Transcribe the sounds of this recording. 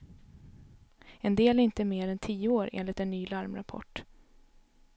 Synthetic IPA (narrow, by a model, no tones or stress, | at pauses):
ɛnd̪eːlæɾɪnt̪əmeːɾɛnt̪ʰiːəoːɾʔḛːnlɪt̪ɛnːyːlaɾmɾa̰pʰɔ̰ʈː